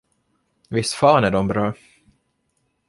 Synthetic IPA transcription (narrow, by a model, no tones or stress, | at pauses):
vɪst̪fɑːnæɖɔmbɾɑː